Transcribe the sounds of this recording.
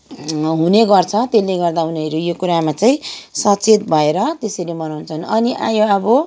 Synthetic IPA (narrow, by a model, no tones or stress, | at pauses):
ɦuneɡʌrt͡sʰʌt̪eleɡʌrd̪aɦuneʌɾojokuɾamat͡saĩsʌt͡sʰet̪bʱʌeɾʌt̪esʌɾimʌnawnt͡sʰʌnʌniʔa̰joʌbʌ